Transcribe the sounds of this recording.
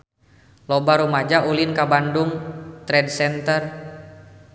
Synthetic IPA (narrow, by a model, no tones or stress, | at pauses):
lɔbaɾumad͡ʒaʔulinkabanduŋt̪ɾɛdsɛnt̪ər